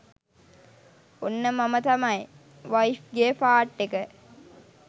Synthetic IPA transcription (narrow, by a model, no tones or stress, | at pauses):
onːəmamət̪ɐmɐj | ʋaifɡefaːʈːekə